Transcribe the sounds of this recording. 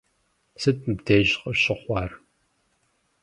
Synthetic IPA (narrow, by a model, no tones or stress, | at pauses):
sɨt̚ʼbdeːʑqɐɕʼɪχʷɑːr